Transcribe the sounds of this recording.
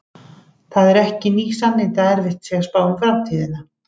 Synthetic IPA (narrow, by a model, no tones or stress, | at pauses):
θaðɛɾɛhcɪniːsanːent̪aðɛɾvɪht̪sɛɣḁspaːwʏmfɾamt̪ʰiːðɪna